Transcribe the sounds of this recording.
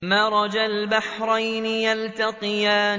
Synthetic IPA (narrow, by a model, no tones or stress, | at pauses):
maɾˤɑd͡ʒalbaħɾˤɑjnɪjalt̪aqɨjaː